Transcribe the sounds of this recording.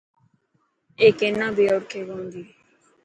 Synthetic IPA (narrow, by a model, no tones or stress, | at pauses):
eːkeːnːãːbʱiːəːɽkʰeːɡõːnd̪iː